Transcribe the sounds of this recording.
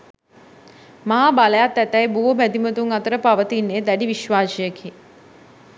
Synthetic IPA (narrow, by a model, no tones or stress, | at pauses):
maɦabaləjat̪ːæt̪æjbuɦobæd̪imət̪uŋat̪əɾəpaʋət̪inːeːd̪æɖiʋiʃʋaːsijəkʰi